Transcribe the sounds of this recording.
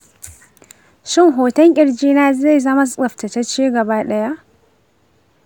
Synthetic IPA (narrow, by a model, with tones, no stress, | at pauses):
ʃɪ˦˨ŋɦoː˨tɐ˦ŋkʲʼɪ˨ɽd͡ʒiː˦naː˦za˦˨jzɐ˦ma˦sʼɐ˨ɸftɐ˨tɐ˦t͡ʃiː˦ɡɐ˨baː˦ɗɐ˦ja˦ʔ